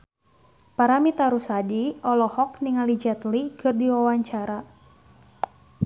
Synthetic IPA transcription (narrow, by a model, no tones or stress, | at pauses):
paɾamit̪aɾusadiɔlɔhɔkniŋalid͡ʒɛt̪likʰɨrdiwawaɲt͡ʃaɾa